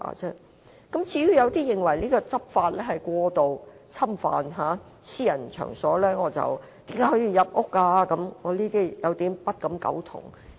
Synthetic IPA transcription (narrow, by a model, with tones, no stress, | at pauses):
a̰ː˨˩t͡sɛː˥ | kɐ˨˥mt͡sʰiː˨˧jy˧˥jɐ˨˧wt̪iː˥jɪ˨˩ŋwɐ˨˩jniː˥kɔː˧t͡sɐ˥p̚faː˧t̚lɛː˥hɐ˨jkʷɔː˧t̪o˨w | t͡sʰɐ˥mfa̰ː˨nɦaː˨˥ | siː˥jɐ˨˩nt͡ʃʰœ̰ː˨˩ŋsɔː˨˥lɛː˥ŋɔː˨˧t͡sɐ̰˨w | t̪i˨˥ŋka˨˥hɔː˨˧˥jiː˧jɐ˨p̚ʔʊ˥kːaː˧kɐ˨˧˥mŋɔː˨˧liː˥t̪iː˥jɐ˨˧wt̪iː˨˥mpɐ˥t̚kɐ˨˧mkɐ̰˨˥wt̪ʰʊ̰˨˩ŋ